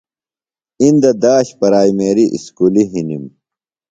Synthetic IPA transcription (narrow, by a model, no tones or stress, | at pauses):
ind̪ɐd̪aːɕpɐɾaːimeːɾiʔḭskuːliɦinim